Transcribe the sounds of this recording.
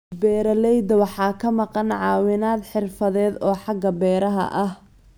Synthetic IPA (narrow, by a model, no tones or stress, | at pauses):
bɛːɾɐlɛjd̪ɐwɑħɑːkʰɐmɑqɑnʕɑ̰ːwɪnaːd̪ħɪrfɐðɛːd̪ɔːħɑɡɐbɛːɾɐɦɐ̰ʔɐh